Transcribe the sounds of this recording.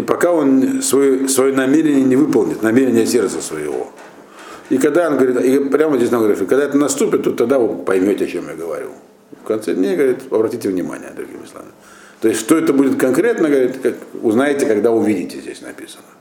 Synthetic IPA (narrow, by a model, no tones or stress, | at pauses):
ipɐkao̞nʲsvɐjosvɐjonɐmʲeɾʲɪnʲɪjənʲɪvɨpəlˠnʲɪt̪nɐmʲeɾʲɪnʲɪjəsʲe̞rt̪səsvəjɪ̰vo̞̰ | ikɐɡd̪aonɡəvɐɾʲit̪ipɾʲamzʲesnamɡəɾit̪ikɐɡd̪aɛt̪ənɐst̪upʲɪt̪ːot̪ːɐɡd̪avopɐjmʲotʲɪɐt͡ɕemja̰ɡəvɐ̰ɾʲḭ | fkɐnt̪sɛdʲnʲejɡəvɐɾʲit̪ɐbɾɐtʲitʲɪvnʲɪma̰nʲɪ̰jə̰d̪ɾʊ̰ɡʲḭmʲɨslˠa̰nɨ | t̪oɪsʲt̪ʲʂt̪oɛt̪əbudʲɪt̪kɐnkɾʲe̞t̪nəɡəvɐɾʲit̪kakʊznajɪtʲɪkɐɡd̪aʊvʲidʲɪtʲɪzʲdʲḛsʲnɐ̰pʲisənə